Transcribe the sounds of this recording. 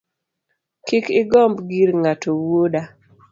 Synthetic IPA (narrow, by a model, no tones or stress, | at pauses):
kɪkɪɡɔmbɡiɾŋatʰowwoda